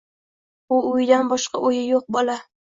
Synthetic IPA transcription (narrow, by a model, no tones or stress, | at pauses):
ʊʊjd̪anbɒʃqɑʔojɪjoq̚bɒlˠa